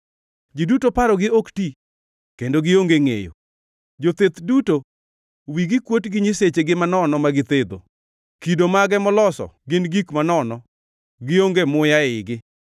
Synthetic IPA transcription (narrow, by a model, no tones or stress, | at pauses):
d͡ʒidutopaɾɔɡɪokti | kendoɡɪoŋɡeŋḛjo̰ | d͡ʒot̪et̪duto | wiɡɪkwotɡɪɲiset͡ʃeɡɪmanɔnɔmaɡɪt̪ed̪o̰ | kidomaɡɛmɔlɔsɔ̰ɡɪnɡikmanɔnɔ | ɡɪoŋɡemʊjaɪɡɪ